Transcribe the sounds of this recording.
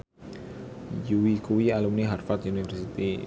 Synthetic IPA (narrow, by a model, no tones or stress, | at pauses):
juwikuwialumniɦarfat̪unifərsit̪i